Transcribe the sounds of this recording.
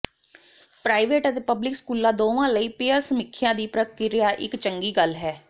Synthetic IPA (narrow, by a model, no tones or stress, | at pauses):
pɾaːiʋeːʈət̪eːpəblɪkskuːlãːd̪oːʋãːləiːpeːəɾsəmɪkʰːjãːd̪iːpɾəkɪɾɪjaːʔɪkt͡ʃəŋɡiːɡəlɦɛː